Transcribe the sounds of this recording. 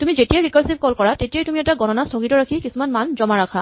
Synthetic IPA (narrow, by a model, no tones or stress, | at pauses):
tumizetijaɹikɔɹsibkɔlkɔɹatetijajtumiɛtaɡɔnɔnastʰɔɡitɔɹakʰikisumanmanzɔmaɹakʰa